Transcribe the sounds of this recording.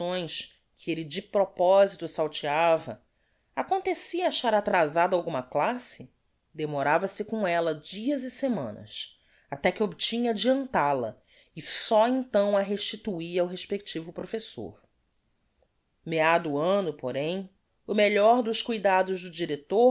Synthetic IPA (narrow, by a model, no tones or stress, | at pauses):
sõj̃s | kʰɪelɪd͡ʒɪpɾopɔzit̪ʊsawt͡ʃiavɐ̰ | akõnt̪esiɐːʃaɾat̪ɾazad̪ɐawɡũmɐklasɪ | d̪emoɾavɐsɪkõɛlɐd͡ʒiɐzɪsemɐ̰̃nɐ̰s | at̪ɛkɪobit͡ʃĩɲɐad͡ʒiɐ̃nt̪alɐ̰ | ɪsɔẽnt̪ɐ̃w̃ɐɦeʃt͡ʃit̪uiɾawɦeʃpekt͡ʃivʊpɾofeso̰ɾ | mead̪ʊʊɐ̃nʊpoɾẽj̃ | ʊmeʎɔɾd̪ʊʃkujd̪ad̪ʊʒd̪ʊd͡ʒiɾet̪o